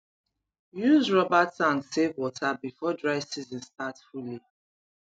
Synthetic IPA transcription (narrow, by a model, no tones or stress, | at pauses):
juzɹɔbatsãŋsevwɔtʰabifɔdɹaɪvsizɔ̃nstatfuli